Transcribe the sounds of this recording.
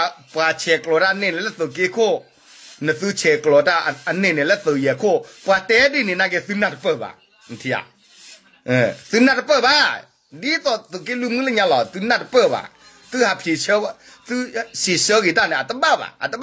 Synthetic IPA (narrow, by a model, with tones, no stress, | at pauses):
a˧˨pwa˨t͡ʃʰɛ˨kəlɔ˨ta˦˧˨ne˧˨nɛ˨lɛ˦˨θə˨k̬e˦kʰo˦˨ | nə˨θɨ˦t͡ʃʰɛ˨kəlɔ˨ta˧˨ʔa˨ne˧˨ne˨lɛ˦θə˨jɛ˨kʰo˥˦˨pwa˨t̪ɛ˦di˦˨ne˨na˧˨ɡɛ˧˨θɨ˦nã˧˨tə˧pə˧˨ba̰˨ | n˨t̪ʰi˧˨a̰˨ | ʔə̃˨θɨ˦nã˧˨tə˧pə˧˨ba˧˨ | di˦t̪ɔ˧˨t̪o˨ke˦lu˧˨mɨ̃˦lɛ˧˦ɲã˧˨lɔ˨t̪u˧˦nã˧˨tə˧pə˧˨ba̰˨ | t̪ɨ˦ha˨pʰi˨ʃə˧˦˧ | t̪ɨ˦ʃi˨ʃə˦ɣi˨t̪a˦˧˨nɛ̃˨t̪ə˦ba˦˧˨ba̰˨ʔa̰˨t̪ə˦ɓ